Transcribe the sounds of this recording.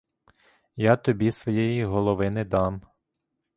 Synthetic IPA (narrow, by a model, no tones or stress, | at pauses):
jɑt̪ɔbʲisʋɔjɛjiɦɔlˠɔʋɪnɛd̪ɑm